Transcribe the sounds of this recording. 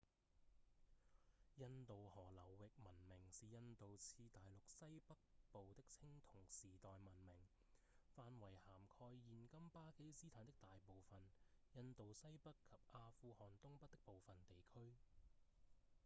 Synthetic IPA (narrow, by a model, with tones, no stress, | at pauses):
jɐ˧nt̪o˨whɔː˨˩lɐ˨˩wːɪ˨k̚mɐ˨˩nmɪ˨˩ŋsiː˨jɐ˧nt̪o˨wt͡sʰiː˧t̪aː˨jlʊ˨k̚sɐ˥jpɐ˥k̚po˨wt̪ɪ˥k̚t͡sʰɪ˥ŋt̪ʰʊ˨˩ŋsiː˨t̪ɔː˨jmɐ˨˩nmɪ˨˩ŋ | faː˧nwɐ˨˩jhaː˨˩mkʰɔː˧jːiː˨nkɐ˥mpaː˥ke˥jsiː˥t̪ʰaː˨nt̪ɪ˥k̚t̪aː˨jpo˨wfɐ˨njɐ˧nt̪o˨wsɐ˥jpɐ˥kkʰːɐ˨p̚aː˧fuː˧hɔː˨˩nt̪ʊ˥ŋpɐ˥t̚t̪ɪ˥k̚po˨wfɐ˨nt̪e˨jkʰɵ˥ɥ